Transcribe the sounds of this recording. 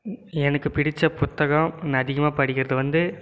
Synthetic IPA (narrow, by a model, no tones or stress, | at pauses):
ɛnɐkːɯpɪɽɪt͡ʃːɐpʊt̪ːɐɣɐnɐðɪɣɐmaːpɐɽɪkʲːɪɾɐðɯʋɐnd̪ɯ